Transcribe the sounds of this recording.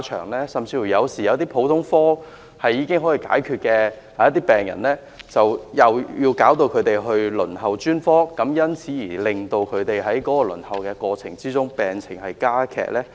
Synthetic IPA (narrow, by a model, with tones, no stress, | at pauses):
t͡ʃʰœ̰ː˨˩ŋlɛː˥sɐ˨mt͡sʰiː˧fu˨˩jɐ˨˧wsiː˨jɐ˨˧wt̪iː˥pʰo˨˧˥wt̪ʰʊ˥ŋfɔː˥ | hɐ˨jːiː˨˧kɪ˥ŋɦɔː˨˥jiː˧ka̰ː˨˥jkʰyː˧t̚kɛː˧ | haː˨jɐ˥t̪̬iː˥pɛː˨˩ŋjɐ̰˨˩nlɛː˥ | t͡sɐ˨wjɐ˨wjiː˧wkaː˨˥wt̪o˧wkʰɵ˨˧ɥt̪e˨jɦɵ˧ɥlɵ˨˩nɦɐ˨˩wt͡ʃyː˥nfɔː˥kɐ˨˥mjɐ˥nt͡sʰiː˨˥jiː˨˩lɪ˨ŋt̪o˧wkʰɵ˨˧ɥt̪e˨jɦɐ˨˥jkɔː˨˥kɔː˧lɵ̰˨˩nhɐ˨wkɛː˧kɔː˧t͡sʰɪ̰˨˩ŋt͡siː˥t͡sʊ˥ŋpɛː˨ŋt͡sʰɪ̰˨˩ŋhɐ˨jkaː˥kʰɛ̰ː˨˩k̚lɛː˥